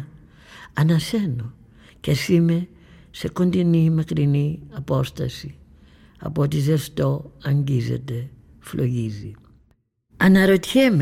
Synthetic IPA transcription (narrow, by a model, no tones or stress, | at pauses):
anasɛnɔ | kɛsimɛ | sɛkondinimakɾiniapɔsta̰si | a̰pɔt̬izɛstɔaŋɡizɛ̰tɛ | flʔoɣizi | anaɾotɛm